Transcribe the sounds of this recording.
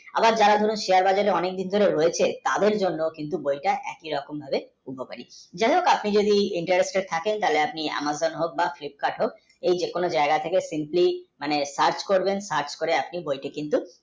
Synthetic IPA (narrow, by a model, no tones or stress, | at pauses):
a̰baɾd͡ʑaɾad̪ʱoɾunʃiaɾbad͡ʑaɾeɔnek̚d̪ind̪ʱoɾeɾoet͡ɕʰet̪ad̪eɾd͡ʑonːokint̪̬ubojʈaʔɛ̰kiɾɔkombʱabe | ubʱopa̰ɾid͡ʑaebokapnid͡ʑod̪iiɳʈaɾesʈet̪ʰakent̪aleapnia̰mazonɦok̚baflip̚kaʈɦok̚ | ejd͡ʑekonod͡ʒaeɡat̪ʰekesimplimanesaɾt͡ʃkoɾbensaɾt͡ɕkoɾeapnibojʈekint̪u